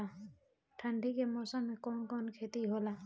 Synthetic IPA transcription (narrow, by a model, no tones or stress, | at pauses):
a | ʈʰaɳɖʱikemɔsamekɔnkɔnkʰet̪iɦola